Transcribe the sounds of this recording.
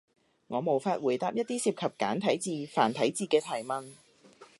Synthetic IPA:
ŋɔː˨˧mo˨˩wfaː˧t̚wuː˨˩jt̪aː˧p̚jɐ˥t̚t̪iː˥siː˧p̚kʰɐ˨p̚kaː˨˥nt̪ʰɐ˨˥jt͡siː˨˧faː˨˩nt̪ʰɐ˨˥jt͡siː˨kɛː˧t̪ʰɐ˨˩jmɐ˧n

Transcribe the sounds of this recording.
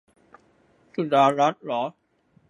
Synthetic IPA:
su˨˩daː˧ɾa˦˥t̪̚lɔ˨˦

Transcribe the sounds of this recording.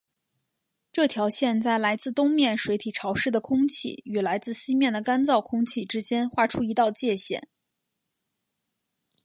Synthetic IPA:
ʈ͡ʂɤ˥˩t̪ʰjɑ˧˥ʊɕjɛ˥˧nt͡sa˥˩ɪla˧˥ɪt͡sɹ̩˥˩t̪ʊ˥ŋmjɛ˥˩nʂwe˧˥ɪt̪ʰi˨˩ʈ͡ʂʰɑ˧˥ʊʂɻ̩˥˩d̪ə˩kʰʊ˥ŋt͡ɕʰḭ˥˩y˨˩la˧˥ɪt͡sɹ̩˥˩ɕi˥mjɛ˥˩nd̪ə˩ka˥nt͡sɑ˥˩ʊkʰʊ˥ŋt͡ɕʰi˥˩ʈ͡ʂɻ̩˥t͡ɕjɛ˥nxwa˥˩ʈ͡ʂʰu˥i˧˥t̪ɑ˥˧ʊt͡ɕjɛ˥˧ɕjɛ̰˨˩˦n

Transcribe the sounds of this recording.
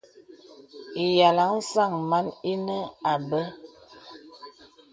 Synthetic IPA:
i˨ja˨la˨˦n̩˦sa˦˨ŋma˨˦ni˦nɛ˦a˨bɛ˦

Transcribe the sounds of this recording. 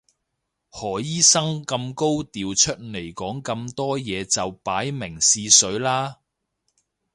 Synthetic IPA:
hɔː˨˩jiː˥sɐ˥ŋkɐ˧mko˥wt̪iː˨wt͡ʃʰɵ˥t̚ne˨˩jkɔː˨˥ŋkɐ˧mt̪ɔː˥jɛː˨˧t͡sɐ˨wpaː˨˥jmɪ˨˩ŋsiː˧sɵ˨˥ɥlaː˥

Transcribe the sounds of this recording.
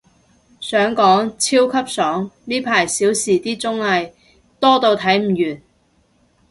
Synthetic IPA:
sœː˨˥ŋkɔː˨˥ŋt͡sʰiː˥wkʰɐ˥p̚sɔː˨˥ŋniː˥pʰaː˨˩jsiː˨˥wsiː˨˩t̪iː˥t͡sʊ˥ŋlɐ˨˧j | t̪ɔː˥t̪o˧wt̪ʰɐ˨˥jm̩˨˩jyː˨˩n

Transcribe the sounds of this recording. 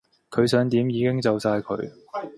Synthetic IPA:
kʰɵ˨˧ɥsœː˨˧ŋt̪iː˨˥mjiː˨˧˥kɪ˥ŋt͡sɐ˨wsaː˧jkʰɵ̰˨˧ɥ

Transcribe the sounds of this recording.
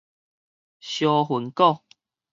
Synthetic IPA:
ɕjɔ˧ɦu˨˩nkɔ˥˧˨

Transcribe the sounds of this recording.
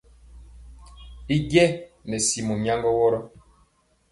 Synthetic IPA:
i˦ɡjɛ˦nɛ˨si˨mu˨mja˦ŋɡɔ˦wɔ˦ɾɔ˦

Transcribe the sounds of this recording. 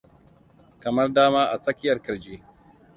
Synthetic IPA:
kɐ˨mɐ˦rdaː˦maː˦ʔa˨sʼɐ˦kʲɪ˦jɐ˨rkɐ˨d͡ʒeː˦

